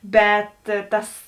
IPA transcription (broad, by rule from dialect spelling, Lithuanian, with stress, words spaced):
ˈbʲɛt ˈtɐs